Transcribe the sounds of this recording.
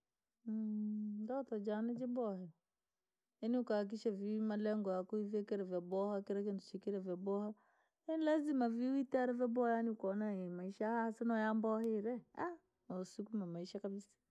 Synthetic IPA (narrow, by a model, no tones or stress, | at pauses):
dɔtɔd͡ʒanɛd͡ʒɪbɔhɛ | ɛniukak̬iʃavimalɛŋɡɔakuivɛkɛɾɛvabɔhakɛɾɛk̬entut͡ʃikiɾɛvɛbɔha | ɛlɛzimaviwitaɾɛvɛbɔjaniukɔnaemaiʃahasɛnɔjambɔheɾɛa | ɔsukumamaiʃakabisḁ